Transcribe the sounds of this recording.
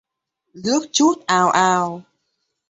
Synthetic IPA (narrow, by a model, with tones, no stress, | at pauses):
zɨ˦˥ək̚t͡ɕu˦˥t̚ʔaː˨˩wʔaː˨˩w